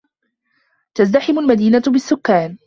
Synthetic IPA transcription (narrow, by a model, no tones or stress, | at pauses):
t̪azt̪aħɪmʊlmad̪iːnabɪsːʊkːaːn